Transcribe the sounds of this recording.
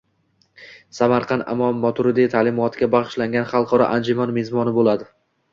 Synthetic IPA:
samaɾqʰɑnd̪ɪ̰mɒnːɒt̪ʰʊɾɪd̪it̪ʰaːlɪmɒt̪ʰɪɡʲabɑʁɨʃlaŋɡʲanχɑlˠqʰɒɾɒ̰ʔand͡ʒɪmɒnmezmɒnɪbolad̪ɪ

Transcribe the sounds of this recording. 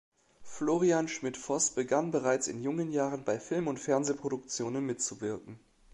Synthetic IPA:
floːʁianʃmɪtfɔsb̥əɡanbəʁaɪt͡sɪ̰njʊŋənjaːʁənbaɪfɪlmʊntfɛɐnzeːpʁ̥oɾʊk̚t͡sjoːnənmɪtt͡suvɪɐkŋ̩

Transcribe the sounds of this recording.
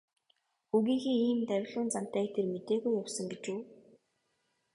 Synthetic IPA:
uɣiːŋxiːŋiːmt̪æwʲɮʊːnt͡sam̥t̪æːkt̪ʰermet̪eːɣujːawsə̆ŋɡet͡ɕuː

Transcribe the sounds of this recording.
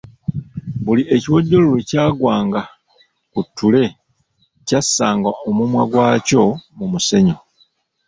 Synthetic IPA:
buliʔe̞ciwoɟːo̞lolecaːɡwaːŋɡa | kutʰːule̞ | casːaːŋɡaʔomumwaɡwaːco̞mumuse̞ɲo̞

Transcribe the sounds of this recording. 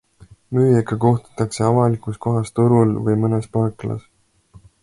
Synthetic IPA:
myːjekːɑko̞ht̪u̥t̪ːˑɑkse̞ɑvɑlikˑusko̞ɦɑst̪uɾulvɤjmɤnespɑklɑ̰s

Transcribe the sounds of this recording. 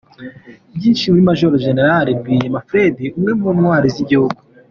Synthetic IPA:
bjiːnʃimuɾimaʒoɾoʒene̞ɾaɾebɡijemafɾediumŋe̞munwaːɾiziɟihuɡu

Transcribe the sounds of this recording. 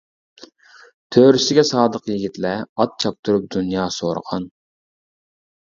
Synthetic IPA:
t̪ʰøːɾysɪɡʲɛsɑːd̪əqjiɡʲit̪lɛɑt̪̚t͡ʃʰɑp̚t̪ʰuɾup̚d̪unjɑːsoɾə̰ʁɑ̰n

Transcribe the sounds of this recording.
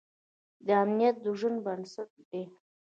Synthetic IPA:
d̪əamnijat̪̚d̪əʒənbansat̪̚be

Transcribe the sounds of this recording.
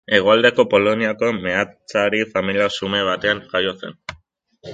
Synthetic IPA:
e̞ɣ̞oald̪e̞ko̞po̞lo̞niako̞me̞at͡saɾifamiliasume̞β̞at̪e̞aŋxajo̞se̞̰n

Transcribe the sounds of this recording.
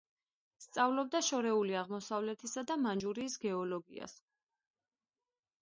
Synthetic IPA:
st̪sʼavlɔb̚d̪aʃɔɾɛuliaʁmɔsavlɛt̪ʰisad̪amand͡ʒuɾiːsɡɛɔlɔɡia̰s

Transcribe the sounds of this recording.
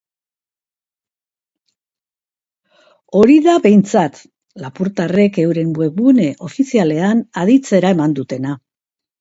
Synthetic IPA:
o̞ɾiðaβe̞jnt͡sat̪ | lapuɾt̪are̞ke̞wɾe̞mbwe̞une̞ʔo̞fisiale̞anaðit͡se̞ɾae̞mand̪ut̪e̞na

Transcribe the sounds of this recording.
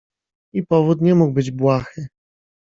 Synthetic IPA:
ipɔvut̪ɲɛmuɡ̚bɘd͡ʑbwaxɘ

